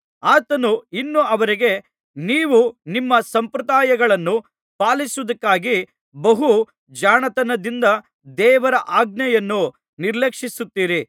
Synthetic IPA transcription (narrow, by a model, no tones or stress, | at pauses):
aːt̪ɐnuinːuɐʋɐɾiɡe̞ | niːʋunimːɐsɐmpɾɐd̪aːjɐɡɐɭɐnːu | paːlisuʋɐd̪ɐkːaːɡi | bɐɦu | d͡ʒaːnɐt̪ɐnɐd̪ind̪ɐ | d̪ɛːʋɐɾɐʔaːɡ̚nɛjɐnːu | niɾlekʂisut̪ːiːɾi